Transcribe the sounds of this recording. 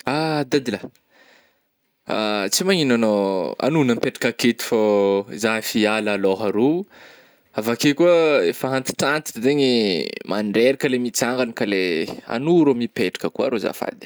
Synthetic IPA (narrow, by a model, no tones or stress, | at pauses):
ad̪ad̪ila | a̰t͡simaɲinanoa̰nunəmpeʈ͡ʂḁkaket̪i̥fozaɦfialaloɦaɾu | avakekuəefaɦant̪i̥ʈ͡ʂant̪i̥zeɲimanɖ͡ʐeɾakəlemit͡saŋɡanikalea̰nuɾomipeʈ͡ʂḁkəkua̰ɾoza̰fa̰d̪i̥